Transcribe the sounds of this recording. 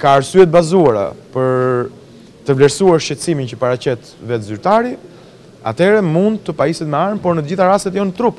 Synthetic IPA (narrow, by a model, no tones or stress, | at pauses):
kaːɾsyɛt̪̚bazuaɾa̰pəɾ | t̪əvlɛɾsuaɾʃɛsimint͡ɕəpaɾat͡ɕɛt̪vɛt̪zyɾt̪aɾi | a̰t̪ɛɾɛmund̪̚t̪əpaisɛt̪mɛaɾmpɔɾnət̪əd͡ʑiθaɾast̪ɛt̪jɔnt̪ɾup